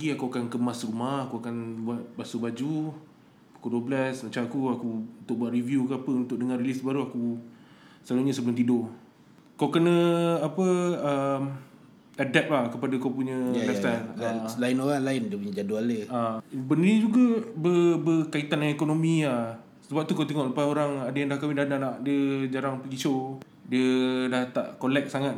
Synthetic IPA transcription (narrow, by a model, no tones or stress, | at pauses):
ɡiakuakankəmasrumahakuakanbuat̪̚basubad͡ʒu | akuduəblasmat͡ʃamakuakuunt̪ʊk̚buaʔriviukapəunt̪ʊk̚dəŋarlisbaɾuaku | səlaluɲasəbəlʊmt̪ido | kawkənə̃apəəm | adɛt̪̚lahkəpadakawpuɲə̃jlɛst̪analaɪnoɣaŋlaɪndiəpuɲəd͡ʒadualəabəniid͡ʒuɡabəbəkait̪anaŋɛkonomĩa | səbap̚t̪ukawt̪̬eŋɔʔləpasoɾaŋadajaŋdahkawidahdanaʔdiəd͡ʒaɾaŋpəɡiʃo | diədaht̪a̰ʔkolɛk̚saŋat̪̚